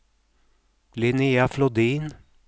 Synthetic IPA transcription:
lɪniːaflɔd̪iːn

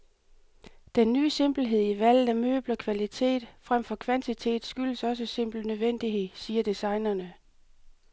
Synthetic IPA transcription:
d̥enːyːse̝m̰b̥l̩ɦe̝ð̞̰ˠiʋæl̰ð̩æmø̰ːb̥lɐkʰʋælit͡sʰe̝̰ːd̥fʁam̰fɒ̽kʰʋænt͡sʰit͡sʰe̝̰ːd̥sɡ̥yl̰əsɒ̽s̬əse̝m̰b̥l̩nøðˠʋen̰d̥iɦe̝ðˠsiːɐd̥isɑ̈ɪnɐnə

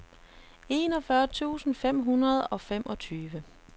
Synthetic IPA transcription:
e̝ːnɒ̽fɶɐt͡sʰṵːsn̩fem̰ɦunɐð̞̩ˠɒ̽fem̰ʔɒ̽t͡sʰyːʋə

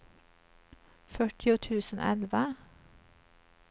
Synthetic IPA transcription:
fœʈʰɪʊt̪ʰʉːsən̩ʔɛ̰lʋa

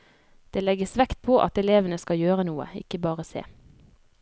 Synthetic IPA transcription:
d̪̥eːlɛɡəsʋɛkt̪̚pʰoːʔɑ̰t̪ɛleːʋənəskɑjøːʁənuːə̰ɪ̰kəbɑːʁəsḛː

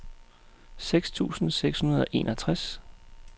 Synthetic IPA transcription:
seɡ̥st͡sʰṵːsn̩seɡ̥shunɐð̞ˠɒ̽ʔe̝̰ːnʔɒt͡sʰʁas

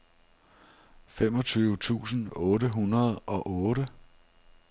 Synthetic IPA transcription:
fem̰ɒ̽t͡sʰyːʊət͡sʰṵːsn̩ɔːɾəɦunɐð̞ˠʔɒ̽ʔɔːɾə

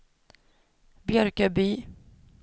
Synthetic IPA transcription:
bjœɾkəbyː

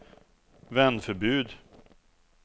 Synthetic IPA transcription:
vɛnfœɾbʉ̟ːd̪

